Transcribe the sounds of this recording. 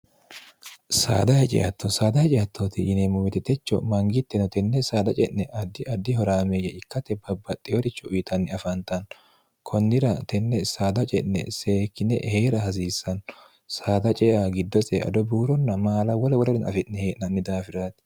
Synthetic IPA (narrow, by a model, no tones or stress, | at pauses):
sa̰ːd̪ɐhɛt͡ʃʼɛ̰ʔɐ̰t̪ːɔsaːd̪ɐhɛt͡ʃʼɛjɐt̪ʰːot̪ɪʔɪnemʊmɛt̪ɛt̪ɛt͡ʃːɔ̰mɐŋɡɪt̪ːɛnɔt̪ɛnːɛsaːd̪ɐt͡ʃʼɛʔnɛʔɐd̪ːɪʔɐd̪ːɪhɔɾaːmeːjɐʔɪkːɐt̪ːɛbɐbːɐt̪ʼːɪɔɾɪt͡ʃːɔʊjt̪ʰɐnːɪɐfɐnt̪ɐn | kʰɔnːɪɾɐt̪ɛnːɛsaːd̪ɐt͡ʃʼɛʔnɛ̰seːkːɪnːɛ̰ʔheːɾɐhɐs̬iːsːɐn | saːd̪ɐt͡ʃʼɛːaɡɪd̪ːɔsɛɐ̰d̪ɔbuːɾɔnːɐmaːlɐwɔlɛwɔɾɐɾɛnɐ̰fɛʔnɛheːʔnɐnːɪd̪aːfɪɾaːt̪